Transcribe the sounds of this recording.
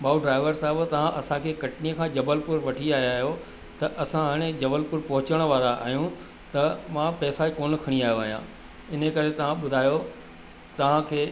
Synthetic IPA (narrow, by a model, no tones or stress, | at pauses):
bʱaːuɖɾaːɪʋəɾsaɦəbt̪ɐʋ̤ãʔɐsãkʰeːkɐʈnijəkʰãːd͡ʑɐbəlpʊɾʋɐʈʰiaːɦjaːɦijo | t̪ɐʔɐsãɦaɽ̃ẽd͡ʑɐbəlpʊɾpɐɦʊt͡ɕəɽ̃ʋaːɾaʔa̰ːɦijũ | t̪ɐmãpɛːsaikoːn̆kʰɐɽ̃ĩaːɦjoʋɐɦijã̰ | ɪnəkɐɾet̪ɐʋ̤ãɓʊd̪ʱaːjo | t̪ɐʋ̤ãkʰeː